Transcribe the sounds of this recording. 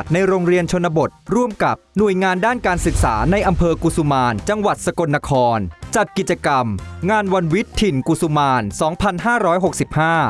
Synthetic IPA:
t̪̚na˧jɾoː˧ŋɾi˧ənt͡ɕʰo˧nːa˧bo˨˩t̪̚ɾu˥˩əmka˨˩p̚nu˨˩əjŋaː˧ndaː˥˩nkaː˧nsɯ˨˩k̚sa̰ː˩˦na˧jʔa˧mpʰɤː˧ku˨˩su˧maː˧nt͡ɕa˧ŋwa˨˩t̪̚sa˧ko˧nːa˧˥kʰɔː˧nt͡ɕa˨˩t̪̚ki˨˩t̪̚t͡ɕa˧ka˧mŋaː˧nwa˧nwi˦˥t̪ʰːi˨˩nku˨˩su˧maː˧nsɔː˩˦ŋpʰa˧nɦaː˥˩ɾɔː˦˥jɦo˨˩k̚si˨˩p̚haː˥˩

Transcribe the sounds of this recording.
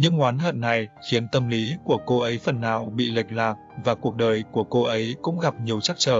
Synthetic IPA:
ɲɨ˧ŋhwaː˨˦nɦə̰˧˨nːa˨˩jxi˨˦ənt̪ə˧mli˨˦ku˧˩əko˧ʔə˨˦jfə˨˩nːa̰ː˧˨˩wɓḭ˧˨li˨˩k̟̚la̰ː˧˨ŋ̚ | vaː˨˩ku˨˩ək̚ɗəː˨˩jku˧˩əko˧ʔə˨˦jkʊ̰˧˥ŋ͡mɣa˨˩p̚ɲi˨˩əwt͡ɕa˦˥k̚t͡ɕəː˧˩

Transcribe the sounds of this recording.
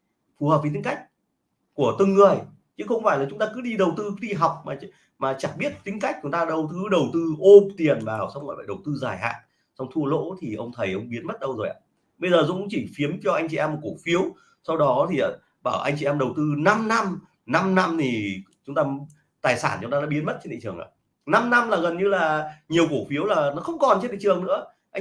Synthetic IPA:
fu˨˩hə˨˩p̚fi˨˦t̪i˨˦ŋ̟ka˦˥jk̟̚ | ku˧˩ət̪ɨ˨˧˩ŋːɨ˨˩əj | t͡ɕɨ̰˧˦˥xə˧wŋ͡mfaː˧˩jlaː˨˩t͡ɕʊ˨˦ŋ͡mt̪aː˧kɨ˨˦ɗi˧ɗə˨˩wt̪ɨ˧ɗi˧ɦa˨˩wk͡p̚maː˨˩ | maː˨˩t͡ɕa˨˧˩ɓi˦˥ət̚t̪ï˨˦ŋ̟ka˦˥jk̟̚t͡ɕʊ˨˦ŋ͡mt̪aː˧ɗə˨˧˩wt̪ɨ˨˦ɗə˨˩wt̪ɨ˧ʔo˧t̪i˨˩ənvaː˨˩wsa˧wŋ͡mŋɔ̰˧˨˩fa̰ː˧˩jɗə˨˩wt̪ɨ˧zaː˨˧˩jha̰ː˧˨n | swŋ͡mt̪ʰu˧əlo̰˧˥t̪ʰi˨˩ʔə˧wŋ͡mt̪ʰə˨˩jʔə˧wŋ͡mɓi˨˦ənɓə˦˥t̚ɗə˧wzo˨˩jʔa̰ː˧˨ | ɓə˧jzəː˨˩zṵ˧˥ʊ˧˥ŋ͡mt͡ɕi˧˩fi˨˦əmt͡ɕɔ˧ʔa˧jŋ̟t͡ɕi˨˩ɛ˧mo˨˩t̚ku˧˩fi˨˦əw | sa˧wɗɔ˨˦t̪ʰi˨˩˨ | ɓaː˧˩wʔa̰˧jŋt͡ɕi˨ʔɛ˧mɗə˨˩wt̪ɨ˧na˧mna˧m | na˧mna˧mt̪ʰi˨˩t͡ɕʊ˨˦ŋ͡mt̪aː˧ | t̪aː˨˩jsaː˧˩nt͡ɕʊ˧ŋ͡m̪aː˧ɗaː˧˥ɓi˨˦ənmə˦˥t̚t͡ɕe˧nɗḭ˧˨t͡ɕɨ˨˩əŋa̰ː˧˩ | na˧mna˧mlaː˨˩ɣə˨˩nɲɨ˧laː˨˩ɲi˨˩əwku˧˩fi˨˦əwlaː˨˩nɔ˨˦xə˧wŋ͡mkɔ˨˩nt͡ɕe˧nɗḭ˧˨ɨ˨˩əŋnɨ̰˧˥ə | ʔa˧

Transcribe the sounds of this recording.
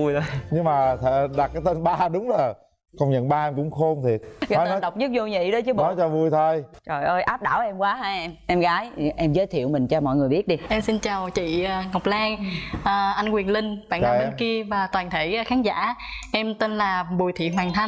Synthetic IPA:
jɲɨ˧ŋmaː˨˩t̪ʰe˧˩ɗa˨˩t̚kaː˨˦jt̪e˧nɓaː˧ɗʊ˨˦ŋ͡mzo˨˩ | kə˧wŋ͡mɲə̰˧˨nɓaː˧ʔɛ˧mkʊ̰˧˥ŋ͡mxo˧mt̪ʰi˨˩ət̚kɔ˨˦ə˧˨˦ɗə˨˩wk͡p̚ɲɨ˦˥k̚zo˧ɲḭ˧˨ɗə˨˦t͡ɕɨ˨˦ɔ˨˦jt͡ɕɔ˨˩vu˧˩jt̪ʰo˧jt͡ɕɔ˨˩jʔəː˧jʔaː˦˥p̚ɗa̰ː˧˩wʔɛ˧mkwaː˨˦ɦaː˧jɛ˧mʔɛ˧mɣaː˨˦jʔɛ˧mzəː˨˦jt̪ʰi˧˨əwmï˨˩ŋ̟t͡ɕɔ˧mɔ̰˧˨jŋɨ˨˩əjɓi˦˥ət̚ɗi˧ʔɛ˧msi˧nt͡ɕaː˨˩wt͡ɕḭ˧˨ə˨˩ŋa˨˩wk͡p̚laː˧ŋʔəː˨˩ʔa˧jnkwi˨˩ənlï˧ŋ̟ɓa̰ː˧˨na˨˦ɓə˧ki˧əvaː˨˩t̪waː˨˩nt̪ʰe˧˩˦xaː˨˦nza̰ː˧˥ʔɛ˧mt̪e˧nlaː˨˩ɓu˨˩jt̪ʰḭ˧˨ɦwaː˨˩ŋt̪ʰa˧n

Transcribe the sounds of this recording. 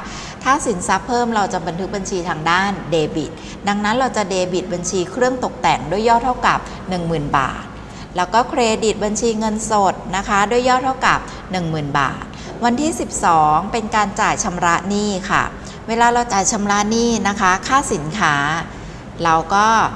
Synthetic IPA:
t̪ʰaː˥˩si˩˦nsa˦˥pʰːɤː˥˩mɾa˧wt͡ɕa˨˩ba˧nt̪ʰɯ˦˥k̚ba˧nt͡ɕʰiː˧t̪ʰaː˧ŋdaː˥˩ndeː˧bi˨˩t̪̚ | da˧ŋna˦˥nɾa˧wt͡ɕa˨˩deː˧bi˨˩t̪̚ba˧nt͡ɕʰiː˧kʰɾɯ˥˩əŋt̪o˨˩k̚t̪ɛ˨˩ŋdu˥˩əjːɔː˥˩t̪ʰa˥˩wka˨˩p̚ | nɯ˨˩ŋmɯː˨˩nba̰ː˨˩t̪̚ | lɛː˦˥wkɔː˥˩kʰɾeː˧di˨˩t̪̚ba˧nt͡ɕʰiː˧ŋɤ˧nso˨˩t̪̚na˦˥kʰa˦˥du˥˩əjːɔː˥˩t̪ʰa˥˩wka̰˨˩p̚ | nɯ˨˩ŋmɯː˨˩nba̰ː˨˩t̪̚ | wa˧nt̪ʰiː˥˩si˨˩p̚sɔː˩˦ŋpe˧nkaː˧nt͡ɕaː˨˩jt͡ɕʰa˧mɾa˦˥ʔniː˥˩kʰa̰˥˩ | weː˧laː˧ɾa˧wt͡ɕaː˨˩jt͡ɕʰa˧mɾa˦˥ʔniː˥˩na˦˥kʰa˦˥kʰaː˥˩si˨˩˦nkʰaː˦˥ | ɾa˧wkɔː˥˩

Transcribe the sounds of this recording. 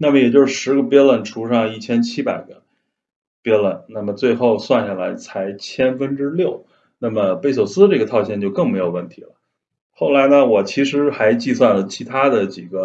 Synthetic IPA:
na˥˩mə˩jɛ˨˩t͡ɕjo˥˧ʊʂɻ̩˥˩ʂɻ̩˧˥ɡə˧pjɛ˥lə˧˩nʈ͡ʂʰu˧˥ʂɑ˥˧ŋi˥˩t͡ɕʰjɛ˥nt͡ɕʰi˥pa˨˩ɪɡə˦ | pjɛ˥lə˧˩nna˥˩mə˩t͡swe˥˧ɪxo˥˧ʊswa˥˧nɕja˥˩la˧˥ɪt͡sʰa˧˥ɪt͡ɕʰjɛ˥nfə˥nʈ͡ʂɻ̩˥ljo˥˩ʊ | na˥˩mə˩pe˥ɪɕjo˨˩ʊsɹ̩˥ə˧ʈ͡ʂɤ˥˩ɡə˩t̪ʰɑ˥˧ʊɕ̬ʰjɛ˥˧nt͡ɕjo˥˧ʊkɤ˥˩ŋme˧˥ɪjo˨˩wə˥˩nt̪ʰi̥̰˧˥lə̰˧ | xo˥˩ʊla˧˥ɪnə˧wɔ˨˩t͡ɕʰi˧˥ʂɻ̩˧˥xa˧˥ɪt͡ɕi˥˧swa˥˩nlə˩t͡ɕʰi˧˥t̪ʰa˥d̪ə˨t͡ɕi˨˩ɡə˦

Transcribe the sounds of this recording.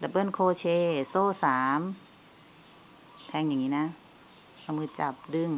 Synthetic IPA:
la˨˧˩pɤ˧˥˨nkʰoː˧˨t͡ɕʰeː˧soː˧˥˨saː˨˦m | t̪ʰɛ˧˩ŋɲa˨˩ŋːɲiː˧˨na˧˥ | ka˧˨mɯː˧˥t͡ɕa˨˧˩p̚dɯ˧˨ŋ

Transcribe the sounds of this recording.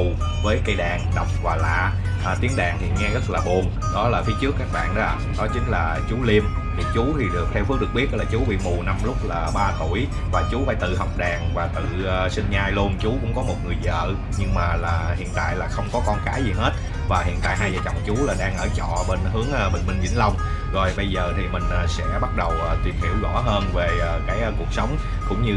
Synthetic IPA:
vəː˨˦jkə˧jɗaː˨˩ŋɗə˨˩wk͡p̚vaː˨˩la̰ː˧˨ | ʔt̪i˨˦əŋɗaː˨˩ŋt̪ʰḭ˨˩ŋɛ˧ɣə˦˥t̚laː˨˩ɓu˨˩ən | ɗɔ˨˦laː˨˩fʰi˨˦t͡ɕɨ˦˥əkːaː˦˥k̚ɓa̰ː˧˨nɗɔ˨˦a˨˩ɗɔ˨˦t͡ɕï˨˦ŋ̟laː˨˩t͡ɕu˨˦li˧m | t̪ʰi˨˩t͡ɕu˨˦t̪ʰi˨˩ɗɨ˨˩k̚t̪ʰɛ˧wfi˨˦˥ɗək̚ɓə˨˦laː˨˩t͡ɕu˨˦ɓḭ˧˨mu˨˩na˧mlʊ˦˥k͡p̚laː˨˩ɓaː˧t̪u˧˩əj | vaː˨˩t͡ɕu˨˦faː˧˩jt̪ɨ̰˧˨ɦɔ˨˩wk͡p̚ɗaː˨˩ŋvaː˨˩t̪ɨ̰ː˧˨˩sï˧ŋɲaː˧jlu˧ənt͡ɕu˨˦kʊ̰˧˥ŋ͡mkɔ˨˦mo˨˩t̚ŋɨ˨˩əjzə̰ː˧˨ | ɲɨ˧ŋmaː˨˩laː˨˩hḭ˧˨ənt̪a̰ː˧˨jlaː˨˩xə˧wŋ͡mkɔ˨˦kɔ˧nkaː˨˦jzi˨˩ɦe˦˥t̚ | vaː˨˩hḭ˧˨ənt̪a̰ː˧˨jɦaː˧jzaː˨˩t͡ɕɔ̰˧˨wŋ͡mt͡ɕu˨˦laː˨˩ɗaː˧ŋʔəː˧˩t͡ɕɔ̰˧˨ɓe˧nɦɨ˨˦əŋʔɓḛ˨˩ŋ̟mï˧ŋ̟zḭ˧˥˦ŋ̟lə˧wŋ͡m | zo˨˩jɓə˧jzəː˨˩t̪ʰi˨˩mï˨˩ŋ̟ʔːsɛ̰˧˥ɓa˦˥t̚ɗə˨˩wʔəː˨˩t̪wi˨˩ənhḭ˧˩əwɣɔ˧˩ɦəː˧nveː˨˩˨kaː˨˦jku˨˩ək̚sə˨˦wŋ͡m | kʊ̰˧˥ŋ͡mɲɨ˧

